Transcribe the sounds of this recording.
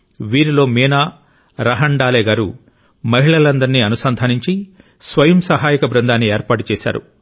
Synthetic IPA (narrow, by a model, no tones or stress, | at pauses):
ʋiːɾilo̞ːmiːnaː | ɾɐɦɐɳɖaːlɛːɡaːɾu | mɐɦiɭɐlɐnd̪ɐɾiniɐnusɐnd̪ʱaːniɲt͡ʃi | sʋɐjɐmsɐɦaːjɐkɐbɾɐnd̪aːnːieːɾpaːʈut͡ʃɛːʃa̰ːɾṵ